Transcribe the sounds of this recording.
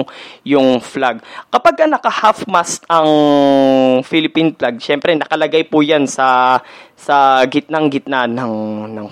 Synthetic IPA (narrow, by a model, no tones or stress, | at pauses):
ŋjʊŋflaɡ̚kɐpaɡ̚kɐnɐkɐhafmast̪ʔɐŋ | filɪpinflaɡ̚ʃɛmpɾɛnɐkɐlɐɡajpʊjansɐ | sɐɡɪt̪̚naŋɡɪt̪̚nanɐŋnɐŋ